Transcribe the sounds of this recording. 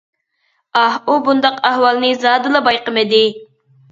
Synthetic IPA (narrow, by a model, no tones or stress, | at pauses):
ɑhubund̪ɑqæhwɑlˠnɨzɑːd̪ɨlˠɨbɑjqəmɨd̪ɪ